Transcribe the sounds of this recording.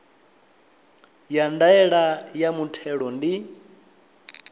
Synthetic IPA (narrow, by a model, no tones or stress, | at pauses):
jandaɛɺajamutʰɛɺɔndi